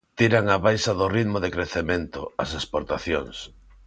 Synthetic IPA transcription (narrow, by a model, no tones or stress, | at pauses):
t̪iɾaŋaβajsaðʊriðmʊðekɾeθemẽnt̪ʊ̰ɐsespoɾt̪aθjoŋs